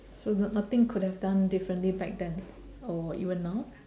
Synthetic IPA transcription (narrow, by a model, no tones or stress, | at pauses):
sonat̪ɪ̃ŋkʰʊd̚hɛvdãndɪfɹə̃nʔlibɛk̚dɛ̃n | ɔḭvə̃nːaʊ